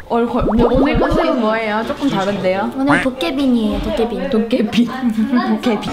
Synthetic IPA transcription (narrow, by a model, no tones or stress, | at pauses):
ʌɭkomoonɯɭk͈ʌsʰɯomwʌejot͡ɕ͈ok͈ɯmtaɾɯnde̞joonɯɭtok͈ebiɲitok͈ebiɲitok͈ebiɲtok͈ebi